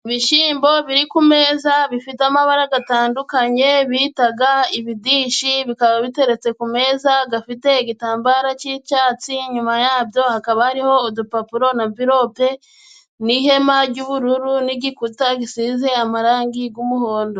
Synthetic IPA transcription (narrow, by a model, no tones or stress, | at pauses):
iβiʃiːmbo̞βiɾikume̞ːzaβifitamaβaɾaɡataːndukaɲe̞βiːtaɡaiβidiːʃiβikaβaβite̞ɾe̞t͡se̞kume̞ːzaɡafite̞iɡitaːmbaɾat͡ʃit͡ʃaːt͡siɲumajaːbjo̞hakaβahaɾiho̞ːdupapuɾo̞naviɾo̞pe̞ | nihe̞maɟɟuβuɾuɾuniɡikutaɡisiːze̞amaɾaːŋɡiɡumuho̞ːndo̞